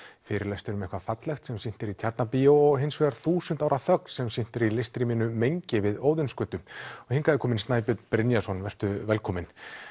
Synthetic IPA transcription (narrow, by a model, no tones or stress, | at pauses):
fɪːɾɪɾlast̪ʏɾʏmɛhkvafat̪lɛxt̪sɛmsin̥t̪ɪɾit̪ʰjaɾt̪napioɔɣɦɪnsvɛɣaɾ̥θuːsʏnt̪awɾaθœk̚nsɛmsin̥t̪ɪɾilest̪ɾimɪnʏmejɲcɪvɪðoːwðɪnskœːt̪ʏɔhɪŋkaðɪkʰɔːmɪnst̪naːjpʏt̪pɾɪnjasɔnvɛr̥t̪ʏvɛlkʰɔːmɪn